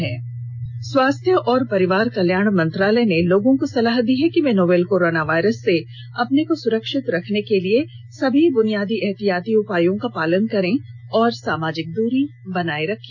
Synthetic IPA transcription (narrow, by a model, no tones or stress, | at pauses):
ɦɛː | swaːst̪ʰjəʔɔːɾpɐɾɪʋaːɾkɐljaːɳ̃mɐ̃nt̪ɾaːlɛneloːɡõkosɐlaːɦd̪iɦɛkimɛ̃ːnoːbeːlkoːɾoːnaʋaːɪɾəsːe | ɐpnekosʊɾəkʃɪt̪ɾɐkʰnekelie | sɐbʱibʊnijaːd̪iʔɛɦt̪ijaːt̪iʊpaːjõkapaːlənkɐɾẽ | ɔːɾsaːmaːd͡ʒɪk̚d̪uːɾibɐnaːeɾɐkʰːĩ